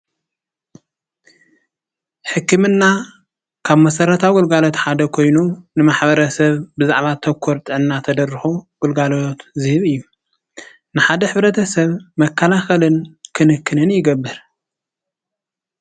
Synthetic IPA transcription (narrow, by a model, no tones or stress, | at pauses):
ħɨkːɨmɨnːa | kʰaβmɐsɐɾɐt̪ʰaɡʊlɡalo̞t̪ħad̪ɐkʰo̞jnunɨmaħbɐɾɐsɐβbɨzaʕβat̪ʰɐkʰːoɾt̪ʼɨʕɨnːat̪ʰɐd̪ɐrɨxuwʊlɡalot̪zɨhɨβɨjːu | nɨħad̪ɐħɨβɾɐt̪ʰɐsɐβmɐkʰːɐlaxɐlɨnkʰɨnɨkːɨnɨnjɪɡɐbːɨɾ